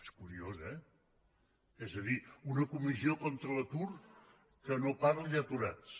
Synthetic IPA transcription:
eskuɾiozɛ | ezəðiunəkumiziokɔnt̪ɾələt̪ur | kənopaɾʎət̪uɾat͡s

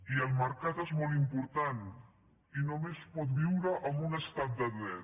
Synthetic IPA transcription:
iəlˠməɾkat̪ezmɔl̬ˠimpuɾt̪an | inomespɔt̪̚biwɾəʔəmbunəst̪at̪̚d̪əðɾɛt̪

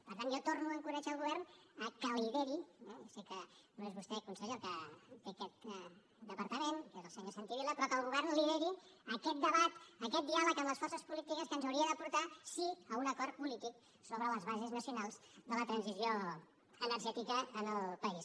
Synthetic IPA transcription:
pəɾt̪anjɔt̪oɾnuəŋkuɾɛʒaəlˠɣuβ̞ɛɾnəkəlliðeɾiɛsekənoezβust̪ɛkunsəʎekət̪ekɛt̪̚ | d̪əpəɾt̪əmenkezəlˠsəɲosant̪iβilˠəpɾɔkəlˠɣuβɛɾnliðeɾiəkɛt̪̚d̪əβat̪əkɛt̪̚d̪ialəkəmləsfɔrsəspulit̪ikəskənzəwɾiəðəpuɾt̪asiəunəkɔɾt̪̚pulit̪ik | soβɾələzβazəznəsiunalˠzðələt̪ɾənzizio | ənəɾʒɛt̪ikəːnəlˠpəis

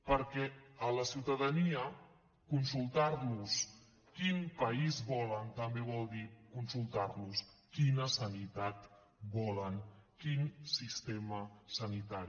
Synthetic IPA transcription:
pəɾkɛələsiwt̪əðəniə | kunsulˠt̪aɾnus | kinpəizβɔlənt̪əmbeβ̞ɔlˠd̪ikunsulˠt̪aɾnuskinəsənit̪at̪ | bɔləŋkinsist̪eməsənit̪aɾi

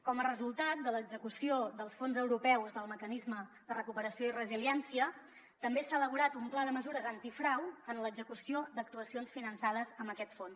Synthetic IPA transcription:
kɔmərəzulˠt̪at̪̚d̪ələɡzəkusioðəlˠsfonzəwɾupɛwzðəlˠməkənizmə | d̪ərəkupəɾəsioirəziliɛnsiə | t̪əmbesaələβuɾat̪umplaðəməzuɾəzənt̪ifɾawənləɡzəkusiod̪ək̚t̪uəsionsfinənsað̞əzəmbəkɛt̪fons

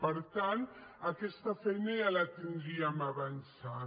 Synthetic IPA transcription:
pəɾt̪ant̪akɛst̪afɛjnajalat̪ind̪ɾiamaβansa

